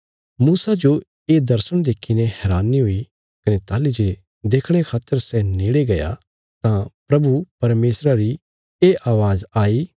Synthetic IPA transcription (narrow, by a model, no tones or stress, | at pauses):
muːsad͡ʒo | eːd̪ɐɾsəɽ̃d̪eːkʰːinẽɦɛːɾaːniɦoi | kɐnet̪aːlid͡ʒe | d̪eːkʰɽ̃ekʰaːt̪ːəɾsɛneːɽeɡɐja̰ | t̪ãpɾɐbupɐɾmeːsɾaɾi | eːʔaːʋaːzaːiː